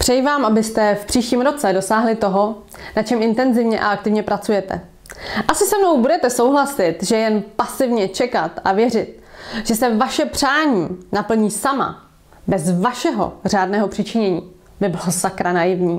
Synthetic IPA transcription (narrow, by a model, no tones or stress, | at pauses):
pr̥ɛjvaːmʔabɪst̪ɛfpr̥iːʃciːmɾo̞t͡sɛdo̞saːɦlɪt̪o̞ɦo̞ | nat͡ʃɛmʔɪnt̪ɛnzɪvɲɛʔa̰ak̚t̪ɪvɲɛpɾat͡sujɛt̪ɛ̰ | ʔasɪsɛmno̞wbudɛt̪ɛso̞wɦlasɪt̪ʒɛjɛnpasɪvɲɛt͡ʃɛkat̪ʔavjɛrɪt̪̚ | ʒ̥ɛsɛvaʃɛpr̝̥aːɲiːnapl̩ɲiːsama̰ | bɛzvaʃɛɦo̞̰r̝aːdnɛːɦo̞pr̥ɪt͡ʃɪɲɛɲiː | bɪbɪlosakɾanajɪvɲiː